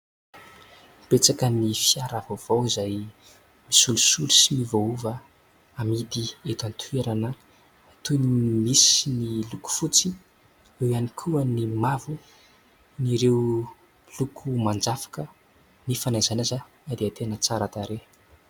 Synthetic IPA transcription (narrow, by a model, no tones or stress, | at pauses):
b̥et͡sakənifiaɾavov̥owizaj | misulusulusimivouvə | amid̪iet̪ant̪ʰueɾanə | t̪unimisiniluku̥fut͡si | ewanikʰuənimavu | niɾew | lukʰumand͡zafḁkə | nifanazanaza | ad̪eat̪enət͡saɾat̪aɾe